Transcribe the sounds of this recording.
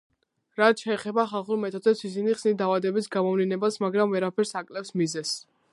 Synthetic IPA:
ɾat̪ʰʃʰɛːχɛbaχalˠχuɾmɛt̪ʰɔd̪zɛpsisiniχsnid̪avad̪ɛbisɡamɔvlinɛbasmaɡɾamvɛɾapʰɛɾsakʼlɛfsmizɛs

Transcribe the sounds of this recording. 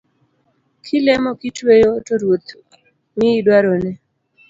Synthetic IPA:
kʰɪlɛmɔkitwejotoɾwot̪ | mɪidwaɾonɛ

